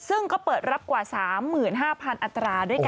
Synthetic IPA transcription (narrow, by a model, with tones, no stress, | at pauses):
sɯ˥˩ŋkɔː˥˩pɤː˨˩t̪̚ɾa˦˥p̚kwaː˨˩saː˩˦mːɯː˨˩nɦaː˥˩pʰa˧nʔa˧t̪ːɾaː˧du˥˩əjk